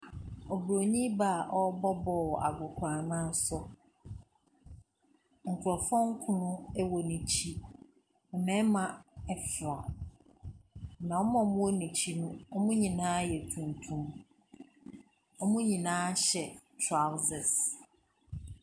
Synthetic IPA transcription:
ɔ˨bɾo˨ɲĩ˦ba˦˨ʔɔ˦bɔ˦bɔ˨wɔ˨ʔa̰˨ɡʊ˨kʷʰãː˨nã˦sɔ˦ | ŋ̩˨kʰʊ˨ɾɔ˨fɔ̃˦ŋ˦kʰʊ̃˦nʊ̃˦ɛ˦wɔ˨nĩ˨t͡ɕʰi˦ | ɛ˨mɛ̃˦mã˨ɛ˦fɾa˨ | nã˨ɔ˦mã˨mʊ̃˦ɔ˦nĩ˨t͡ɕʰi˦nʊ̃˦ɔ˦mũ˦ɲĩ˨nãː˦jɛ˨tʰũ˨ntʰũ˦m | ɔ˦mʊ̃˦ɲĩ˨nãː˦ɕɛ˨tʰɾa˦wsɛ˨s

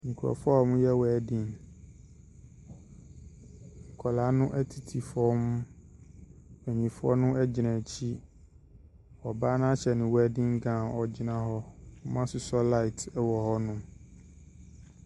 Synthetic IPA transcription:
ŋ̩˨kʰu˨ɾɔ̰˨fɔ˦ɔ˨mʊ̃˦jɛ˦wɛ˨dĩ˦n | ŋ̩˨kʰɔ˨la˨˦nʊ̃˦ʔæ˦tʰi˨tʰi˨fɔ˦m | ɛ˨ɲĩ˨fʊ˦ɔ̰˦nʊ̃˦ʔɛ˦d͡ʑɪ˨nã˨t͡ɕʰi˦ | ɔ˨baː˦nã˦ɕɛ˨nɪ̃˨wæ˦dɪ̃˦ŋ˦ɡã˦˨ɔ˨d͡ʑɪ˦nã˦ɦɔ˦ɔ˦mã˦sʊ˨sɔ˦la˦ɪ˨tɛ˦wɔ˨hɔ˦nʊ̃˦

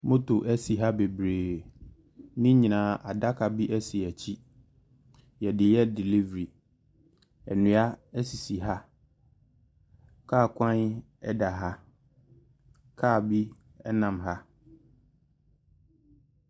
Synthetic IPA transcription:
mʊ̃˦tʊ˨ʔæ˦si˨ɦa˦be˨bɾeː˨ | nɪ̃˦ɲĩ˨nãː˨˦ʔa˨da˦kʰa˨bi˦ʔɛ˦si˨ɛ˨t͡ɕʰi˦ | jɛ˨dɪ˨jɛ˦di˨li˦vɾi˨ | ɛ̰˨nũ˨a˦æ˦si˨si˨ɦa˦ | kʰaː˦˨kʰʷã˦n | ɛ˦da˨ɦa˦ | kʰaː˦˨bi˦ | ɛ˦nã˨mɦa˦

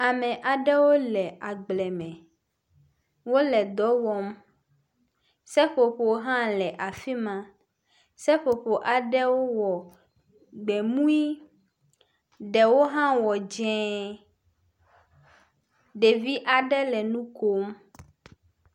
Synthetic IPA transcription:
a˨mɛ̃˨ʔa˨ɖɛ˦wo˦lɛ˨ʔa˨ɡ͡blɛ˨mɛ̃˨ | wo˦lɛ˨d̪ɔ˦wɔ˨m | sɛ˦ɸo˨ɸo˨˦ɦã˦lɛ˨ʔa˨fi˦mã˦ | sɛ˦ɸo˨ɸo˨ʔa˨ɖɛ˦wo˦wɔ˨ | ɡ͡bɛ˨mũ˦i˦ | ɖɛ˨wo˦ɦã˦wɔ˨d͡ʒɛ̃˦ | ɖe˨vi˦ʔa˨ɖɛ˦lɛ˨nũ˦ko˦m

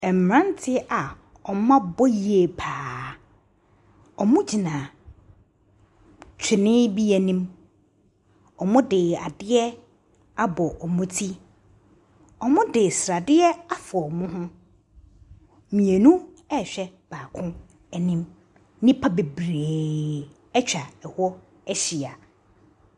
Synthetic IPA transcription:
ɛ˨m˨ɾã˦n˦tʰɪ˦a˨ | ɔ˨˦mã˦bɔ˦ji˨˦e˨pʰaː˨ | ɔ˨mʊ̃˦d͡ʑi˨nã˨ | t͡ɕʰɪ˨nɪ̃˦bi˦æ˨nĩ˦m | ɔ˨mʊ̃˦dɪ˨a˨dɪ˦ɛ˦ | a˦bɔ˨ʔɔ˨mʊ̃˦tʰi˦ | ɔ˨mʊ̃˦dɪ˨sɾa˨dɪ˦ɛ˦a˦fɔ˨ɔ˨mʊ̃˦ɦʊ̃˦ | mĩ˨e˨nũ˦ | ɛ˦˨ɕᶣɛ˦b̥aː˨kʰʊ̃˦ | ɛ˨nĩ˦m | nɪ̃˦pʰa˦be˨bɾeː˨ | ɛ˦t͡ɕᶣa˨ɛ˨hɔ˦ | æ˦ɕi˨a˨

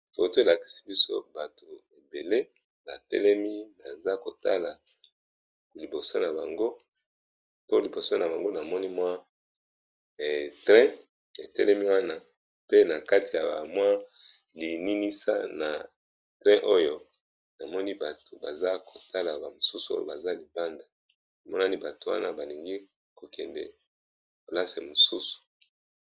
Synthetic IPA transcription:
fo˨to˦e˨la˨ki̥˨si˦bi˦so̰˦ba˨to˨e˨be˨le˦ | ba˨tɛ̰˦lɛ˦mi˦ba˨za˦ko˨ta˦la˨ | li˨bo˨so˦na˨ba̰˨ŋɡo˦ | po˦li˨bo˨so˦na˨ba˨ŋɡo˦na˨mɔ˦ni˦mwa˦˨ | tʁɛ̃˦ | e˨tɛ̰˦lɛ˦mi˦wa˦na˦ | pe˦na˨ka˦ti˨ja̰˨ba̰˨mwa˦ | li˨ni˦ni˦sa̰˦na˨ | tʁɛ̃˦ʔo˦jo˦ | na˨mɔ˦ni˦ba˨to˨ba˨za˦ko˨ta˦la˨ba˨mo˨su˦su˨˦o̰˦jo̰˨ba˨za˦li˨ba˦nda˨ | na˨mɔ˦na˦ni˦ba˨to˨wa̰˦na˦ba˨li˨ŋɡi˦ | ko˨kɛ˨ndɛ̰˨ | ko˨la˦se˨mo˨su˦su̥˨

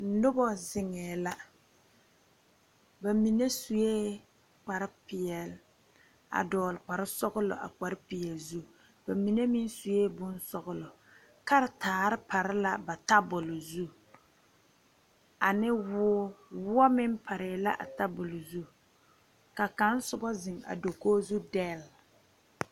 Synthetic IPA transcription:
nʊ˦bɔ˦zɪ˨ŋɛː˨la˦ | ba˨mi˨ne˦su˨jeː˦ | k͡pa˨ɾɪ˦pɪ˨jɛ˨l | a̰˨dɔː˨lk͡pa˨ɾɪ˦sɔ˦ɣʊ˦lʊ̰˨ʔa̰˨k͡pa˨ɾɪ˦pɪ˨jɛ˨lzu˦ | b̥a˨mi˨ne˦mi˦n˦su˨jeː˦bʊ˦n˦sɔ˦ɣʊ˦lʊ˨ | ka˦ɾɪ˨taː˨ɾɪ˦pa˨ɾɪ˦la˨ba˨ta˦bʊ˨lʊ˨zu˦ | a˨nɪ˦wʊ˦ɔ˦wʊ˦ɔ˦mɪ˦mpʰa˨ɾɪ˨la˦ʔa̰˨ta˦bʊ˨lʊ˨zu˦ | ka˨ka˦n˦sʊ˦bɔ˦zɪ˨ŋa̰˨do˨koː˦zu˦dɛː˦˨l

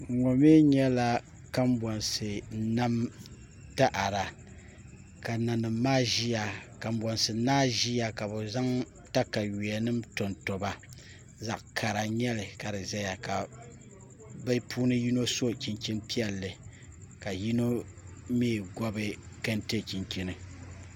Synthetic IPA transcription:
ŋɔ˨me˦ɲɛ˦la˦ | ka˦m˦bɔ˨nsɨ˨na˦m | ta˦ʔa˨ɾa˨ | ka˨na˨nɨ˨mːaː˦ʒi˦ja˨ka˨m˦bɔ˨nsɨ˨naː˦ʒi˦ja˨ka˨bɛ˨za˦ŋ | ta˦ka˨ɥi˨ɛ˨nɨ˦mto˨nto˨ba˦ | za̰˨ʔkʰa˨ɾa˨ɲɛ˦lɨ˨ka˨ɾɨ˨za˦ja˨ka˨ | ba˦pʰuː˦nɨ˦ji˦no˦so˦t͡ʃi˨nkʲi˦npi˦ɛ˦lːɨ˨ | ka˨ji˦no˦ | meː˦˨ɡɔ˦bɨ˦ka˦nte˦˨ki˨ŋki˨nɨ˨

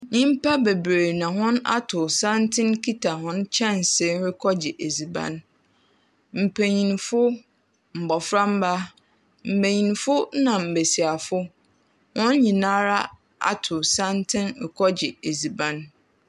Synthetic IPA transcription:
nĩ˦m̩˦pa˦be˨bɾe˨nã˨hʊ̃˦na̰˦tʰʊ˨sã˦ntʰɪ̃˦nkʰi˦tʰa˨hʊ̃˦nt͡ɕʰɛ̃˦˨nse˦ɾɪ˦kʰɔ˦d͡ʑɪ˨ʔe˨zi˨bã̰˦n | m̩˨pʰe˨ɲĩ˨nfʊ˦ | m̩˨bɔ˨fɾa˦m̩˦ba˦ | m̩˨be˨ɲĩ˨nfʊ˦nã˨m̩˨be˨si˨a˨fʊ˦ | hʊ̃˦nɲĩ˨nãː˦ɾa˦ | a̰˦˨tʰʊ˨sã˦ntʰɪ̃˦nɾɪ˨kʰɔ˦d͡ʑɪ˨e˨zi˨bã˦n

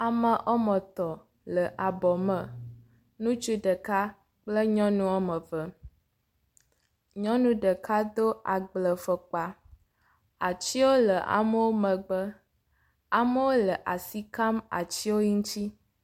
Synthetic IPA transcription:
a˨mə̃˨ʔɔ˦mə̃˨t̪ɔ˨ | lə˨ʔa˨bɔ˨mə̃˨ | nũ˦t͡ʃu˦ɖə˨ka˦ | k͡plə˦ɲɔ̃˦nũ˦ɔ˦mə̃˨və˨ | ɲɔ̃˦nũ˦ɖə˨ka˦d̪o˦a˨ɡ͡blə˨fə˨k͡pa˨ | a˨t͡ɕi˦wo˦lə˨ʔa̰˨mə˦wo˦mə̃˨ɡ͡bə˦ | a˨mə˦wo˦lə˨ʔa˨si˦ka˦ma̰˨t͡ɕi˦wo˦ɲi˦ŋ̩˦ti˦

